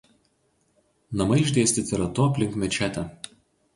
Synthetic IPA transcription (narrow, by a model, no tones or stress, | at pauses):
nɐmɐɪɪʒʲd̪ʲeːsʲt̪ʲɪt̪ʲɪɾɐt̪ʊɐpʲlʲɪŋkmʲɛt͡ʃʲæːt̪ʲɛ